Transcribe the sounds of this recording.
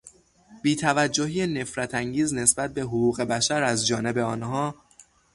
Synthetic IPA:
biːt̪ʰævæd͡ʒːoɦiːene̞fɾæt̪ʰæŋɟiːzne̞sbæt̪̚be̞ɦoɣuːɣe̞bæʃæɾæzd͡ʒɒːne̞be̞ɒːnɦɒː

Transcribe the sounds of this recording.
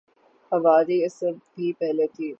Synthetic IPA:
hɐʋaːɾiɪsəbʱiːpɛɦlet̪ʰiː

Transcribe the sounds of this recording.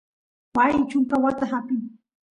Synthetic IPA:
wajt͡ʃʊŋkawat̪aɦapɪŋ

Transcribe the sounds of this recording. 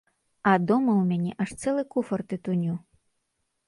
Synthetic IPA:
ɐd̪ɔmɐwmʲanʲɛʔaʂt̪sɛlˠɨkufɐrt̪ɨt̪unʲu

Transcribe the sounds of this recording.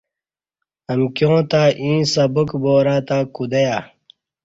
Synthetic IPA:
ɐmkjõːt̪aːʔĩːsɐbukboːɾaːt̪aːkud̪ɐjaː

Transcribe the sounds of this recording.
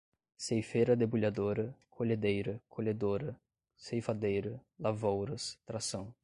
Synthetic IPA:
sejfeɾɐd̪ebuʎad̪oɾɐkʰoʎed̪ejɾɐkʰoʎed̪oɾɐ | sejfad̪ejɾɐlavowɾɐst̪ɾasɐ̃w̃

